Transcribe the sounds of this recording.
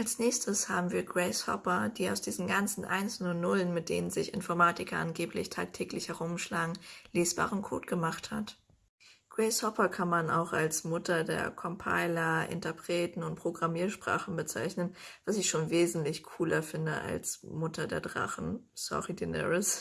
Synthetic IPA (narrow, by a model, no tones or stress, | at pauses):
ʔalsnɛːçstʰəsha̰ːbm̩viːɐɡʁɛɪshɔ̰pɐd̥iːaʊsd̥iːzn̩ɡant͡sn̩ʔa̰ɪnsnʊnʊlənmɪt̚d̥ḛːnənzɪçɪ̰nfɔɐmaːtɪkɐʔanɡeːplɪ̰çtʰa̰ːk̚tʰɛːklɪçhɛʁʊmʃlaːɡŋ̩leːsb̥a̰ːʁənkʰo̰ːtɡ̥əmaχtha̰t | ɡ̥ʁɛɪshɔpɐkʰanmana̰ʊxalsmʊtɐdḛːɐkʰɔmpʰa̰ɪlɐʔɪ̰ntɐpʁ̥ɛːtn̩ʊnt̚pʁ̥oɡʁamiːɐʃpʁ̥a̰ːχn̩bət͡sa̰ɪçnənv̥asɪçʃoːnveːzn̩tlɪçkʰuːlɐfɪndəʔa̰lsmʊtʰɐdeːɐdʁa̰χn̩sɔ̰ʁidɛnɛ̰ʁəs